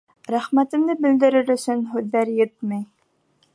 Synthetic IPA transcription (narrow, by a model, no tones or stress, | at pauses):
ɾæχmæt̪ɘ̆md̪ɘbɘ̆ld̪ɘ̆ɾɘɾɵ̆sɵnɦʉðːæɾjɘt̪mæj